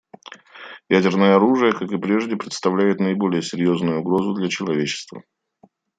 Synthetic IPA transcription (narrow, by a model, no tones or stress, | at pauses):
jædʲɪrnəjəɐɾuʐɨjəkakɨpɾʲe̞ʐdʲɪpɾʲɪt̪st̪ɐvlʲæjɪt̪nəɪbo̞lʲɪjəsʲɪɾʲjo̞znʊjʊːɡɾo̞zʊd̪lʲæt͡ɕɪlˠɐvʲet͡ɕːɪ̥st̪və̰